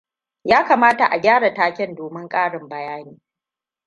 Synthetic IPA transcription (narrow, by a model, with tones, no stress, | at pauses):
jaː˦kaː˨maː˦ta˨ʔa˨ɡʲaː˦ɽa˨taː˦kʲɛ˦ndoː˨mɪ˦ŋkʼaː˦ɽɪ˨mbɐ˦jaː˦niː˦